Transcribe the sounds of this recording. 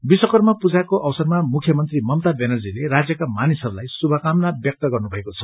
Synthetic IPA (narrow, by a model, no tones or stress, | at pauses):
biswʌkʌrmapud͡zakoʔʌwsʌrmamukʰjʌmʌnt̪rimʌmt̪abenʌrd͡zileɾad͡zjʌkamanisʌɾulajsubʱʌkamnabjʌk̚t̪ʌɡʌrnubʱʌekot͡sʰʌ̥